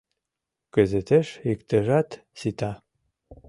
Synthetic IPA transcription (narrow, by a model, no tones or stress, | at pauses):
kə̆zet̪eʃikt̪ə̆ʒɑt̪ | sit̪ɑ